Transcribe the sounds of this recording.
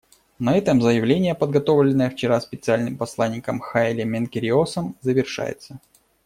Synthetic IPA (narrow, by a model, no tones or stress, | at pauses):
nɐɛt̪əmzəjɪvlʲenʲɪjəpəd̪̚ɡɐt̪ovlʲɪnːəjəft͡ɕɪɾaspʲɪt̪sɨalʲnɨmpɐslˠanʲːɪkəmxaɪlʲɪmʲɪnkʲɪɾʲɪosəmzəvʲɪrʂa̰jɪ̰t̪sə